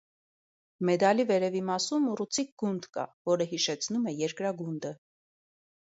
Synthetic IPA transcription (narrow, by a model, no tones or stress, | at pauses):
mɛd̪ɑlivɛɾɛvimɑsumurut͡sʰik̚ɡund̪kɑ̰vɔɾəɦiʃɛt͡sʰnumɛjɛɾkɾɑɡund̪ə